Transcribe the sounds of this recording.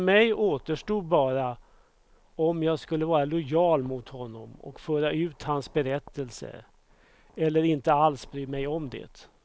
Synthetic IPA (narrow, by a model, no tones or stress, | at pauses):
mɛjoːt̪əʂʈuːd̪̚bɑːɾa | ɔmjɑːɡskɵlːəvɑːɾalʊjɑːlmʊt̪hɔnːɔ̰mɔ̰kfœːɾaʔʉ̟ːt̪hansbɛɾɛt̪ʰːəlsə̰ | ɛlːəɾɪnt̪əalsbɾyːmɛjɔmd̪ɛ̰ːt̪